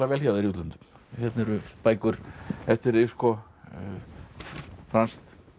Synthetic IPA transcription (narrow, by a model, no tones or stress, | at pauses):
lavɛːlçaːwðɪɾjuːt̪lant̪ʏ̥mçɛt̪nɛɾʏpaːjkʏɾ̥ɛft̪ɪɾɪskɔ | fɾanst̪